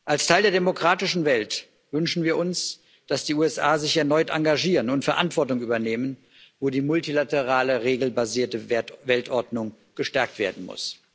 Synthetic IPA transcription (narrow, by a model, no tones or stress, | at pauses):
ʔalstʰaɪldeːɐdemokʁ̥aːtɪʃn̩vɛlt | vʏnʃn̩viːɐʔʊns | d̥asd̥iːuːɛsʔaːzɪçɛɐnɔʏtʔa̰ŋɡaʒiːʁənʊntfɛɐʔantv̥ɔɐtʊŋʔyːbɐneːmən | voːdiːmʊltilatəʁaːləʁeːɡl̩baziːɐtəvɛltʔɔɐdnʊŋ | ɡ̥əʃtɛɐk̚tv̥eːɐdn̩mʊ̰s